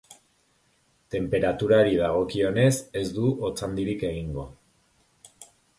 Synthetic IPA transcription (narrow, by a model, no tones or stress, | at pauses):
t̪e̞mpe̞ɾat̪uɾaoɾiðaɣ̞o̞kio̞ne̞se̞zd̪uʔot͡sand̪iɾike̞ɣ̞iŋɡo̞